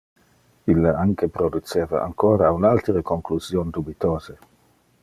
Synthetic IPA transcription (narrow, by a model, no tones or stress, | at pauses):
ilːaaŋkepɾod̪ut͡ʃeːva̰ʔa̰ŋkoːɾaunalt̪ɾəkoŋkluzjoːnd̪ubit̪oːze